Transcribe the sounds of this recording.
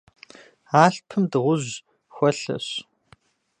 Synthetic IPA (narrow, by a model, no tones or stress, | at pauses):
aːɬpʰɨmdɨʁʷʊʑ | xʷɐɬɐ̰ɕ